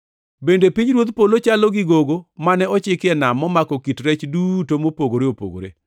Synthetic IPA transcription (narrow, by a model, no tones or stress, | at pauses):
bendepiɲɾwot̪polot͡ʃalɔɡɪɡoɡomanɛɔt͡ʃɪkɛnamɔmakɔkitɾɛt͡ʃdutomopoɡoɾeopo̰ɡo̰ɾḛ